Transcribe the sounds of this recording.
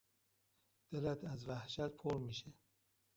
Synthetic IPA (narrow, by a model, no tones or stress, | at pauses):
d̪̥elæt̪ʰæzvæhʃæt̪̚pʰoɾmiːʃe